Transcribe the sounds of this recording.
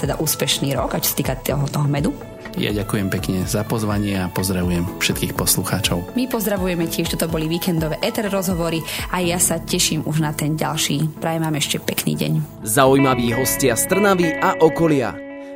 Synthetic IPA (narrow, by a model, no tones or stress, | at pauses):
t̪ɛd̪a̰ʔuːspɛʃniːɾɔɡat͡ʃɔ̥sḁt̪iːkat̪ɔɦɔt̪ɔɦɔmɛd̪u | ja̰ɟakujɛmpɛkɲɛzapɔzʋaɲɪɛapɔzd̪ɾaʋujɛmfʃɛt̪kiːxpɔsluxaːt͡ʃɔʊmipɔzd̪ɾaʋujɛmɛcɪɛʃt̪ɔt̪ɔbɔliʋiːkɛnd̪ɔʋɛːʔɛt̪ɛɾɾɔzɦɔʋɔɾiajjasacɛʃiːmuʒnat̪ɛnɟalʃiːpɾaːjɛmaːmɛʃcɛpɛknḭːɟɛ̰ɲ | zaujmaʋiːɦɔscɪast̪r̩naʋiʔaʔɔkɔlɪa̰